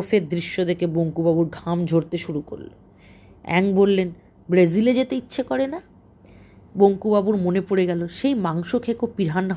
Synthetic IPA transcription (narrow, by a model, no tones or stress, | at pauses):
feɾd̪ɾiʃːod̪ekeboŋkubabuɾɡʱamd͡ʑʱoɾt̪eʃuɾuko̰ɾlo̰ | ɛ̰ŋbolːen | bɾeziled͡ʑet̪eitːɕʰekɔɾena | boŋkubabuɾmonepoɽeɡɛloʃejmaŋʃokʰekopiɾɦan